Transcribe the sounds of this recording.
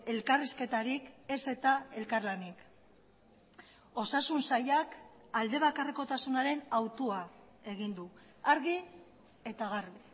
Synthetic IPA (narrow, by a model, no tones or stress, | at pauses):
e̞lkariske̞t̪aɾike̞se̞t̪ae̞lkaɾlanik | o̞sasunsajak | ald̪e̞β̞akareko̞t̪asunaɾe̞nawt̪ua | e̞ɣ̞ind̪u | aɾɣi | e̞t̪aɣaɾði